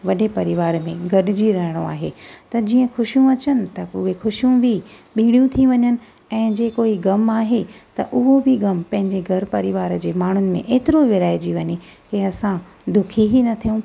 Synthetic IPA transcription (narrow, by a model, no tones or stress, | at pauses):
ʋɐɗepɐɾɪʋaːɾmẽɡʱɐɗɪd͡ʑiɾɐɦɪɽ̃o̰a̰ːɦḛt̪ɐd͡ʑiːə̃xʊʃijũɐt͡ɕənɪ̆t̪ɐʊɦexʊʃijũbʱɪɓiːɽ̃ijũt̪ʰiʋɐɲənɪ̆ | ɛ̃ːd͡ʑeːkoːiɡɐmaːɦet̪ɐʔʊɦobʱɪɡɐmpɐ̃ɦɪ̃ɲd͡ʑeɡʱɐɾpɐɾɪʋaːɾd͡ʑeːmaːɳ̤ʊnɪ̆mḛ̃ʔeːt̪ɪɾoʋɪɾaːed͡ʑiʋɐɲekiɐsã | d̪ʊkʰiɦinɐt̪ʰijũ